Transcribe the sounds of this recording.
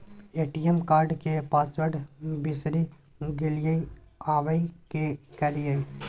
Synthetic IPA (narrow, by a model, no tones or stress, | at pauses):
eːʈijemkaːɾɖkepaːswəɾɖbɪsɾi | ɡɪlɪjəĩaːʋəĩkekɛɾijəĩ